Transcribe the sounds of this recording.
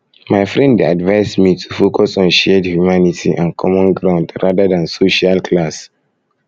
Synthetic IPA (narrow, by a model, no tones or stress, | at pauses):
maɪfɹɛ̃ndadvaɪsmitʰu̥fokɔsɔ̃nʃedhjumanitʰiʔãnkʰɔmɔ̃nɡɹãʊ̃ndɹadədãnsoʃalkʰlas